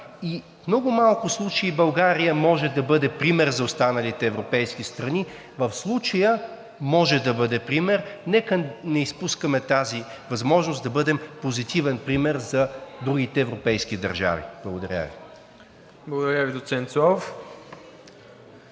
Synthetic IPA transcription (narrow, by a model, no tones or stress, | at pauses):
i | nɔɡʊmalˠkʊslˠut͡ʃəibɐlˠɡaɾijəmɔʒɛd̪ɐbɤd̪ɛpɾimɛɾzɐʊst̪anɐlit̪ɛːvɾopɛjsk̟ist̪ɾɐni | vəfslˠut͡ʃəjə | mɔʒɛd̪ɐbɤd̪ɛpɾimɛɾnɛkənɛispuskəmɛt̪azivɐzmɔʒnʊsd̪ɐbɤd̪ɛmpozit̪ivɛnpɾimɛɾzɐd̪ɾuɡ̟ʲit̪ɛːvɾopɛjsk̟id̪ɐ̰ɾʒa̰vḭblˠɐɡʊd̪ɐɾʲa̰vḭ | blˠəɡʊd̪ɐɾʲjavid̪ot̪sɛnt̪sɔf